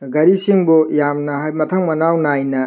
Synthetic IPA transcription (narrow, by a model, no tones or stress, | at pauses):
ɡɐɾisiŋbɔjamnɐɦajmɐt̪ʰɐŋmɐnawnajnɐ